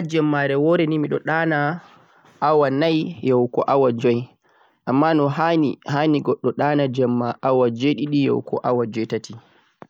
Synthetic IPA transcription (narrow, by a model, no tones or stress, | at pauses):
ad͡ʒɛmːaɾɛwɔɾɛnimiɗɔɗanaː | wanajjɔwkɔʔawad͡ʒɔj | ʔamːanɔɦanihaniɡɔɗːɔɗaːnad͡ʒɛmːaʔawad͡ʒɔjɗiɗijɔ̰wkʰɔ̰ʔawad͡ʒɔjtati